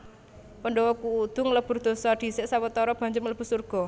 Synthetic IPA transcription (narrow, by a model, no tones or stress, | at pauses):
pəɳɖɔwɔkuːd̪̥ʊ̤ŋləb̥ʊ̤rd̪̥o̤sɔɖ̪̥i̤sɪʔsawət̪ɔɾɔb̥a̤ɲd͡ʒəmləb̥usurɡ̥ɔ̤